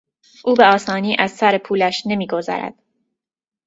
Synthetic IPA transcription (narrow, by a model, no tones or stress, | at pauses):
ʔuːbe̞ɒːsɒːniːʔæzsæɾepʰuːlæʃne̞miːɡo̞zæ̰ɾæ̰d̪̥